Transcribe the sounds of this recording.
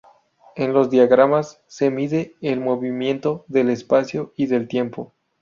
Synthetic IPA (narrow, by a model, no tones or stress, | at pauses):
enlo̞zðjaɣɾamasːe̞miðe̞ːlmo̞βimje̞nt̪o̞ðe̞lespasjoiðe̞lt̪je̞mpo̞